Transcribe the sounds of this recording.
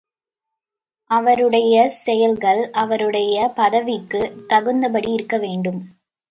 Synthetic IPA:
ʔɐʋɐɾɯɽɐjɐsɛjɐlɣɐɭɐʋɐɾɯɽɐjɐpɐðɐʋɪkːɯt̪ɐɣɯnd̪ɐpɐɽiɪɾɯkːɐʋeːɳɖɯm

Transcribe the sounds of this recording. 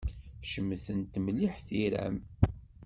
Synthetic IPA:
ʃəmːθənt̪mliħθiɾæ̰m

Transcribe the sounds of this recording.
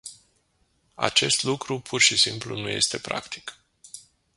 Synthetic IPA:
a̰t͡ʃe̞st̪lukɾupʰurʃisimplṵnuje̞̰st̪e̞pɾa̰kt̪i̥k

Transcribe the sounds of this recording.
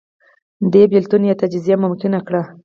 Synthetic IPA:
d̪ebɪlt̪unjat̪ad͡ʒɪzijamʊmkɪnakɽa

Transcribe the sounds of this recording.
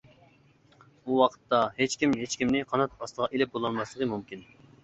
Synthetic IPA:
uwɑqʰə̥t̪ːɑhet͡ʃkʲimɦet͡ʃkʲimnɪqʰɑnɑt̪̚ɑst̪əʁɑʔelɪp̚bolˠɑnmɑslˠəʁəmumkʲin

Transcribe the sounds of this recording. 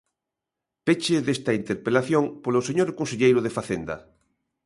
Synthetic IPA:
pet͡ʃeðest̪aint̪eɾpelaθjoŋpoloseɲoɾkõnseʎejɾoð̞efaθend̪ɐ̰

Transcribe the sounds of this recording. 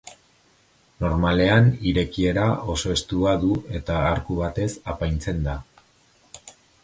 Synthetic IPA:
no̞ɾmale̞aniɾe̞kie̞ɾao̞so̞e̞st̪uaðue̞t̪aːɾkuβat̪e̞sapajnt͡se̞nd̪a

